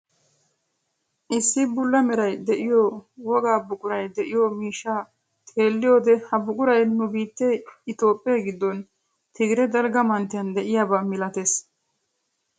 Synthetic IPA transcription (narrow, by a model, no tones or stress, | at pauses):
ʔɪsːɪbʊlːɐmɛɾɐjd̪ɛʔɪjoːwɔɡaːbʊkʼʊɾɐjd̪ɛʔɪjoːmiːʃːaː | t̪ʼʰeːlːɪjoːd̪ɛhɐbʊkʼʊɾɐjnʊbiːt̪ːeɪt̪o̞ːpʼːɪjɐɡɪd̪ːɔn | t̪ʰɪɡɪɾɛd̪ɐlɡɐmɐnt̪ːɪjɐnd̪ɛʔɪjabɐmɪlɐt̪es